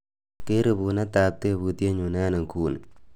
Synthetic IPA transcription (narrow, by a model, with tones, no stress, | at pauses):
ke˦ɾe˨bu˨na˦ta˨k̚te˦˨bu˨tje˦ɲu˨naː˦na˨ŋkʰuː˦n˨